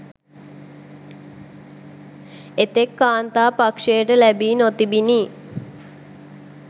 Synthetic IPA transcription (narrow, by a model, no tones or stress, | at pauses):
et̪ekːaːnt̪aːpakʂejəʈəlæbiːnot̪ibiniː